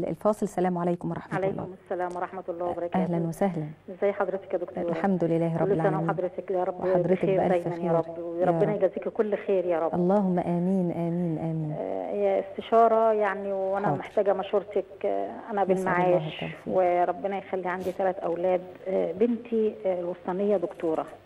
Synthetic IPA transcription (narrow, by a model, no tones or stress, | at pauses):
lfɑːsˤelsːælæːmʕalæjkomwɑˤɑħmʕæalæjlːɑ̰mesːælæːmwɑɾˤɑħmæt̪ɑlːɑːwbɑɾˤɑʔæːlænwæsæɦlænʔezːæjːħɑd̪ˤɾet̪e̥kjæd̪okt̪ɾlħamd̪olɪlːæːhɾˤɑllʕæamɑd̪ˤɾet̪ekːɾˤɑbwħɑd̪ˤɾexekeːɾæʔææjæniːɾˤɑɾbːɾˤɑɾenɑjeɡæziːkkolːxeːɾjɑːɾˤɑbʔɑlˤːɑːɦomːæʔæːmiːnʔæːmiːnʔæːmiːnjæʔest̪eʃɑːɾˤɑjaʕniwʔænæmeħt̪æːɡæmæʃhuːɾˤt̪ekʔænæʔbelmaʕaːʃːɑweɾˤɑbːenɑjxælːiʕand̪it̪ælæt̪ʔæwlæːd̪bent̪ʰilwɑsˤt̪ˤɑnejːæd̪okt̪uːɾˤɑ̰